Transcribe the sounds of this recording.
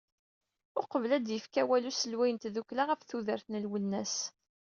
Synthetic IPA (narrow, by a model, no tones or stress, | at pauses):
ʊqəvəlæd̪jəfkæwælusəlwæjənt̪ðukːlaʁæfθuðəɾθnəlwənːæs